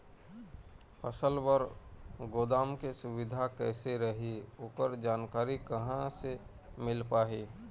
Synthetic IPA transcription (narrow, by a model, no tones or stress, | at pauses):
pʰəsəlwəɾɡoːd̪aːmkesʊwɪd̪ʱakɛːseɾəɦiʊkəɾd͡ʒaːnkaːɾikɐɦãse | mɪlpaːɦiː